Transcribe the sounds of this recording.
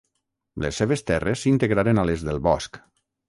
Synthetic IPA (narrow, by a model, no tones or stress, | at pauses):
lḛsːeβest̪ɛresːint̪eɣɾaɾenalezðelˠβɔsk